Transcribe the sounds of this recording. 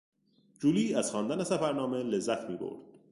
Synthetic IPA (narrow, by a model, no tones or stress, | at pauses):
d͡ʒuːliːæz̥xɒːnd̪ænesæfæɾnɒːme̞le̞zːæt̪ʰmiːbo̰ɾd̪̥̚